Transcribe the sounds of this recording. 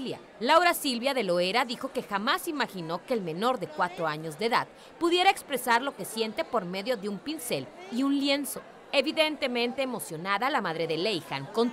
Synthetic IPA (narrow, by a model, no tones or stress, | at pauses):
lja | lawɾasilβjaðe̞lo̞e̞ɾaðixo̞ke̞xamasimaxino̞ke̞ːlme̞no̞ɾðe̞kwat̪ɾo̞aɲo̞zðeðað | puðje̞ɾaekspɾe̞saɾlo̞ke̞sje̞nt̪e̞po̞ɾme̞ðjo̞ðeumpinse̞liunlje̞nso̞ | e̞βiðe̞nt̪e̞mẽnt̪e̞ːmo̞sjo̞naðalamaðɾe̞ðe̞lejxa̰ŋko̞n